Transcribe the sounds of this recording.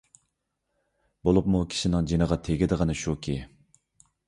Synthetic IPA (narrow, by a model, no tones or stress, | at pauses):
bolˠupmukʲʰi̥ʃinɪŋd͡ʒinəʁɑt̪ʰeɡʲid̪ɨʁənɨʃukʲʰi